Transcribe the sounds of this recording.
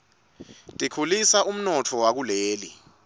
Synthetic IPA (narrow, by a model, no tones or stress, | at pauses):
tʼikʰulisaum̩nɔtʰɔwak̬uleːli